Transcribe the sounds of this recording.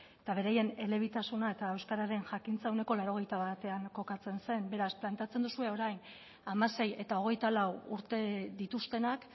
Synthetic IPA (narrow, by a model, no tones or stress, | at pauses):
et̪aβ̞e̞ɾaje̞ne̞le̞β̞it̪asunae̞t̪ae̞wskaɾaɾe̞nʝakint͡saewne̞ko̞lawɾo̞ɣ̞e̞jt̪aβat̪e̞aŋko̞kat͡se̞nse̞mbe̞ɾasplant̪e̞at͡se̞nd̪usue̞o̞ɾajn | amase̞je̞t̪ao̞ɣ̞e̞jt̪alawuɾt̪e̞ðit̪ust̪e̞nak